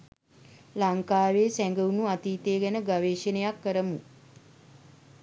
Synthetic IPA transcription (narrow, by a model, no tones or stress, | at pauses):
laŋkaːʋeːsæŋɡəunuat̪iːt̪eːɡænəɡaʋeːʃənejakːəɾəmu